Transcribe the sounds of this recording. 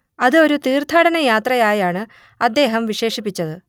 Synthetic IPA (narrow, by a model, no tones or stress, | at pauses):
ɐðɨo̞ɾut̪iːrt̪ʰaːɽɐnɐjaːt̪rɐjaːjaːɳɨ | ɐd̪ːe̞ːɦɐmʋiɕe̞ːʂipːit͡ɕːɐðɨ